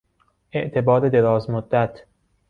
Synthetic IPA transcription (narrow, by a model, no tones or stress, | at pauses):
ʔe̞ʔt̪ʰe̞bɒːɾed̪e̞ɾɒːzmod̪ːæt̪ʰ